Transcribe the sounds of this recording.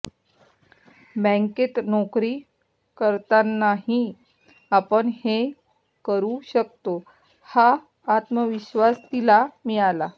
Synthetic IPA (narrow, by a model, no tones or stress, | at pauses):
bɛ̃ŋket̪nokɾiː | kəɾt̪anaɦi | apəɳhe | kəɾuɕək̚t̪o | haː | t̪məʋiɕʋast̪ilamiala